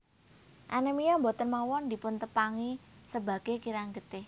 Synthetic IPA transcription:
ʔa̰nəmijɔmbɔt̪ənmawɔnd̪i̤pʊnt̪əpaŋisəba̤ɡ̥ekiɾaŋɡət̪ɪh

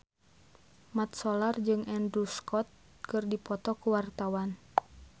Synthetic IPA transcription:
mat̪̚sɔlard͡ʒɨŋʔɛndɾuskɔt̪̚ | kɨrdipɔt̪ɔkuwart̪awan

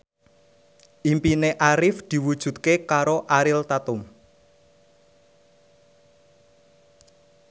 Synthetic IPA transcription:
ʔimpineʔaɾɪfd̪̥i̤wud̥ʒ̥ṳt̪̚kekaɾoʔaɾɪlt̪at̪ʊm

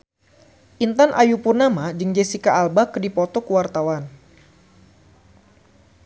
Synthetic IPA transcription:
ʔint̪anʔajupurnamad͡ʒɨŋd͡ʒesikaːlbakdipɔt̪ɔkəwart̪awan

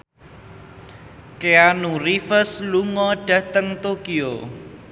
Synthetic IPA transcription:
keanurifəsluŋɔɖ̥ä̤t̪əŋt̪okio

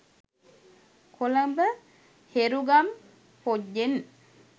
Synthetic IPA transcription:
kʰoləmbə | heɾuɡam | poɟːen

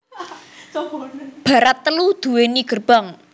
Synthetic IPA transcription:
b̥ä̤ɾat̪ːəlud̪̥ṳweniɡ̥ə̤rb̥aŋ

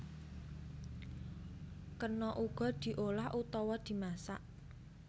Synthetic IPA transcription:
kərnɔʔuɡ̥ɔ̤d̪̥i̤ʔolahʔut̪ɔwɔd̪̥i̤masa̰ʔ

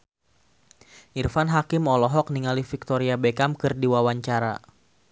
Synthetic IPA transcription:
ʔirfanɦakɪmɔlɔɦɔk̚niŋalifik̚t̪ɔɾiabekamkɨrdiwawaɲt͡ʃaɾa̰

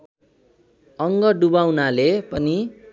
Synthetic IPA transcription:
ʌŋɡʌɖubawnalepʌni

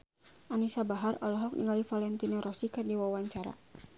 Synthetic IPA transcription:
ʔanisabaɦarɔlɔɦɔk̚nḭŋalifalɛnt̪inoɾɔsikɨrdiwawaɲt͡ʃaɾa̰

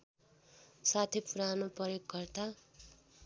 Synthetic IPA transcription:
sat̪ʰipuɾanopʌɾjokɡʌrt̪a

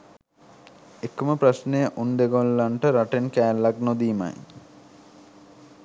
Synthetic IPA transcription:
ekːuməpɾɐsnejəʔund̪eɡolːaɳʈəɾaʈenkæːlːaknod̪iːma̰j

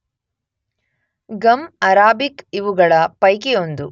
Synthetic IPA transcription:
ɡɐmɐɾaːbikiʋuɡɐɭɐpɐjk̬eond̪u

